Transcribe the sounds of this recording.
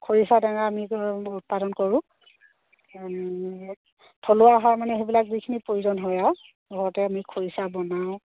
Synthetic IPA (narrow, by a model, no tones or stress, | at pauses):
kʰoɹisadaŋaːmiut̚padɔnkoɹʊ̃ | tʰolʊaɦaɹmanɛɦebilakzikʰinipɹojuzɔnɦɔjaw | ɡʱɔɹɔtɛamikʰoɹisabɔnaw̃